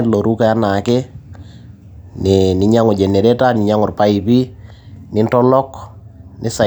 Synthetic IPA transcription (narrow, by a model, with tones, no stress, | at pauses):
lo˨ɾu˦ka˦a˦na˨kɛ˦ | nɪnɪ˨ɲa˦ŋʊ˨d͡ʒe˨ne˨ɾe˦ta˦nɪ˨ɲa˦ŋɔ˨rpa˦i˨pi˦ | nɪ˦ntɔ˦lɔ˦knɪ˦sa˨